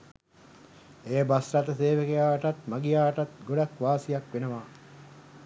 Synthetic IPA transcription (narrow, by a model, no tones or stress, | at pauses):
eːbasɾɐt̪əseːʋəkejaːʈɐt̪maɡijaːʈɐt̪ɡoɖakʋaːsijakʋenəʋaː